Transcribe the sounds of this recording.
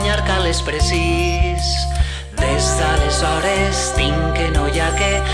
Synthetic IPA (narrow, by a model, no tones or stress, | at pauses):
ɲaɾkalespɾesis | ðezðalezɔɾest̪iŋkenojake